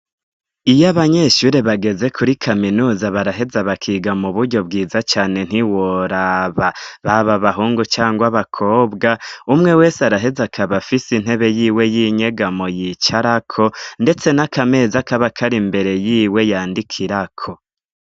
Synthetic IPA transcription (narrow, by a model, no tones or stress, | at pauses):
ijaβaɲe̞ːʃuɾe̞βaɡe̞ze̞kʰuɾikʰaminuːzaβaɾaɦe̞zaβakʰiːɡamuβuɾɟo̞b̚ɡiːzat͡ʃaːne̞n̥hiwoɾaβaβaβaβaɦuːŋɡut͡ʃaːŋɡwaβakʰo̞ːbɡaumŋe̞we̞ːseaɾaɦe̞zakʰaβafisin̥he̞βe̞jiːwe̞jiɲe̞ɡamojit͡ʃaɾakʰo̞nde̞t͡se̞nakʰame̞ːzakaβakʰaɾimbe̞ɾe̞jiːwe̞jaːndikʰiɾakʰo̞